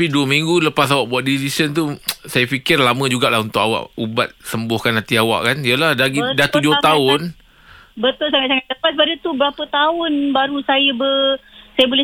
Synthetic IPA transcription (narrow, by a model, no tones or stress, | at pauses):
tapiduəmĩŋɡuləpas̬awaʔbuaʔ̪̚disisənt̪usajafikɪrlamə̃d͡ʒuɡaʔlahunt̪ʊkawa̰ʔubat̪̚səmbʊhkanhat̪iawa̰ʔkanijəlahdaɡidat̪ud͡ʒʊht̪aʊn | bət̪ʊlsaŋat̪̚saŋat̪̚ləpasbadət̪ubəɾapət̪aʊnbaɾusajəbəsajəbolɛ